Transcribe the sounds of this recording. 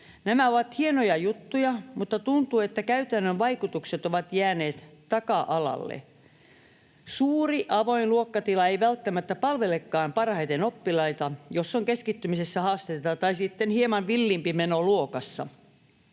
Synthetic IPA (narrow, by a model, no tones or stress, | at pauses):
næmæoʋɑt̪hienojɑjut̪ːujɑmut̪ːɑt̪unt̪uːet̪ːækæyt̪ænːøʋʋɑikut̪ukset̪oʋɑt̪jæːneːt̪t̪ɑkɑʔɑlɑ̰lːḛ | suːriʔɑʋoinluokːɑt̪ilɑeiʋælt̪ːæmæt̪ːæpɑlʋelekːɑːmpɑrhɑit̪enopːilɑit̪ɑjosːoŋkeskit̪ːymisesːæhɑːst̪et̪et̪ɑt̪ɑisit̪ːenhiemɑnʋilːimpimenoluokɑsːɑ̰